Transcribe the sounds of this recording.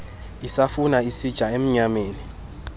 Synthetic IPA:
isafunaisid̥ʒ̥ʱaem̩ɲameːni

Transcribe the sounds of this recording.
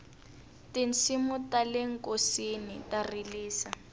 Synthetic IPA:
tint͡simutaleŋ̩kosinitariliːsa

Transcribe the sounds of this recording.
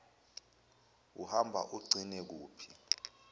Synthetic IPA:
uhambʱa̰ʔuɡ͡ǀʱinɛk̬uːpʰi̥

